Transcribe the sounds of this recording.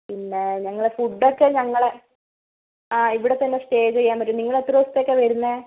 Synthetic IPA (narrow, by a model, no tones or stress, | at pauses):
pinːe̞ɲɐŋːɐɭefuɖːokːeɲɐŋːɐɭe | aːiʋiɽet̪ːɐnːesʈe̞ːd͡ʑt͡ɕe̞jːaːmpɐʈːumniŋːɐɭet̪ːroːst̪jokːeʋɐɾunːɐ